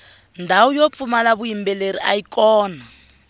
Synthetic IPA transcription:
ndʱaujop̪fumalaβuimbɛleɾiʔaikʼɔːna

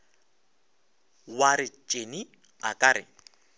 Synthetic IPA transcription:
waɾɪt͡ʃʼeni | akʼaɾɪ̰

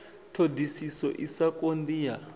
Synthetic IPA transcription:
tʰodisisɔ̰ʔisakond̪ija

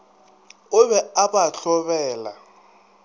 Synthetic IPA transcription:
ʊbɛabaɬɔbɛːla̰

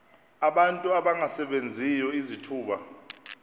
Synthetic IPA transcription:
aɓantʼuaɓaŋasɛɓend͡zʱijɔizitʰuːɓa̰

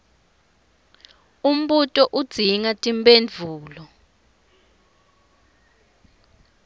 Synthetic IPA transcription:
um̩ɓutʼɔʔud̥z̥ʱiŋatʼimbʼend͡vʱuːlɔ

